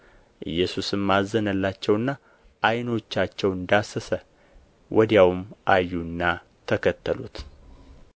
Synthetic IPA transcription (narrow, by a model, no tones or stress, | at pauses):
ʔɨ̰jːɛsusɨmːazənəlːat͡ʃːɛwɨnːa | ʔːjno̞t͡ʃːat͡ʃːɛwɨnd̪asːəsə | wʔɔd̪jawmʔajːunːa | t̪ʰəkʰət̪ːəlṵt̪